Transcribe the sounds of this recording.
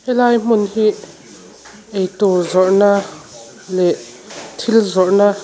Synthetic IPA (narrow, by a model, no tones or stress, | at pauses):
hɛlaːjm̥unhi | ʔɛjt̪ɔzɔʔna | lɛʔ | t̪ʰilzɔʔnaː